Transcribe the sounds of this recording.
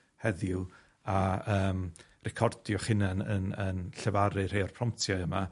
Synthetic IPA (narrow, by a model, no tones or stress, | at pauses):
hɛðʊ | aəːm | rɛkʰɔrd̥jɔχɪnanə̰nənɬɛvaɾɨr̥ejɔrpʰrɔm̚tʰjaəma